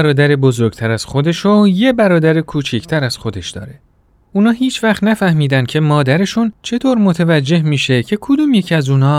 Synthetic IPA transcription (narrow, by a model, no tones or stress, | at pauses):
ɾɒːd̪æɾebo̞zo̞ɾɡ̚t̪ʰæɾæz̥xo̞d̪e̞ʃoje̞bæɾɒːd̪æɾekʰuːt͡ʃʰiːct̪ʰæɾæz̥xo̞d̪e̞ʃd̪̥ɒ̰ːɾe̞ | uːnɒːɦiːt͡ʃʰvæxt̪næfæhmiːd̪ænd̪cʲʰe̞mɒːd̪æɾe̞ʃunt͡ʃʰe̞t̪ʰoːɾmot̪ʰevæd͡ʒːe̞hmiːʃe̞cʰe̞kʰod̪uːmjecʰæzuːnɒː